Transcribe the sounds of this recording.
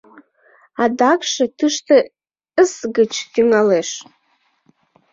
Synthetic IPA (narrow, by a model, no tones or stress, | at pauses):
adakʰʂatʰɨʂtʰɨ | ɨsɡɨt͡ʃʰɡʲiŋaleʂ